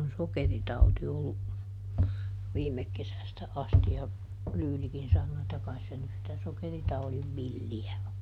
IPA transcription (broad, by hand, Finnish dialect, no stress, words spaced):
on sokeritɑuti olːu ʋiːmek kesæstæ ɑsti jɑ lyːlikin sɑnːoː etːæ kɑis se nys sitæ sokeritɑuliʋ ʋilːiæ o